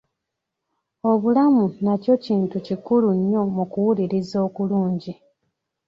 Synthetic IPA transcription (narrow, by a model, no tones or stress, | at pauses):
o̞βulamunaco̞ciːntucikuluɲːo̞mukuwuliɾizo̞ːkuluːɲɟi